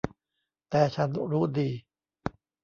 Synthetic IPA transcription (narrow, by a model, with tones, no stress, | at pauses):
t̪ɛː˨˩t͡ɕʰa˦˥nɾuː˦˥diː˧